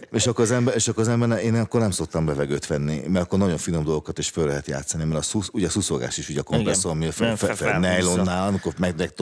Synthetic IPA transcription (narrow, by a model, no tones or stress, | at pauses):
eːʃɒkːoɾɒzɛmbɛɾeːʃɒkːoɾɒzɛmbɛrnɛeːnkːo̞rnɛmso̞k̚t̪ɒmbɛvɛɡøːt̪ʋɛnːimɛɾɒkːornɒɟo̞ɱfinomd̪o̞lˠɡokɒt̪eːʃfølːɛɦɛt̪ja̰ːt̪sɒnimɛɾɒsusuɟɛsusoɡa̰ːʃiʃuɟɒkomkɾɛsːoɒmifffnɛjlonːaːlɒmikomɛɡnɛkt̪